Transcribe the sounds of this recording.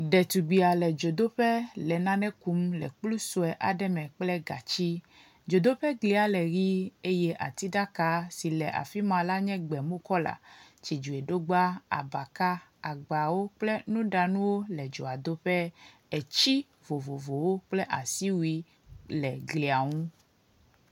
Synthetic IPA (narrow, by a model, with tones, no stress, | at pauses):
ɖɛ˨t̪u˨ɡ͡bi˨a˨lɛ˨d͡ʒo˨d̪o˦ɸɛ˦lɛ˨nã˦nɛ̃˦ku˨˦mlɛ̰˨k͡plu˦so˨ɛ˨ʔa˨ɖɛ˦mɛ̃˨k͡plɛ˦ɡa̰˨t͡ɕi˦ | d͡ʒo˨d̪o˦ɸɛ˦ɡli˨a˨lɛ˨ɣi˦e˦jɛ˦ʔa̰˨t̪i˦ɖa˦ka˦si˨lɛ˨ʔa̰˨fi˦mã˨la˦ɲɛ̃˦ɡ͡bɛ˨mõ˦kɔ˦la̰˨t͡ʃi˨d͡ʒu˨ɛ˨ɖo˦ɡ͡ba˦a̰˨ba˨ka˦a˨ɡ͡ba˨wo˦k͡plɛ˦nũ˦ɖa˨nũ˦wo˦lɛ˨d͡ʒo˨a˨d̪o˦ɸɛ˦ | ɛ˨t͡ɕi˦ | vo˨vo˨vo˨wo˦k͡plɛ˦ʔa˨si˦wi˦ | lɛ˨ɡli˨a˨ŋũ˦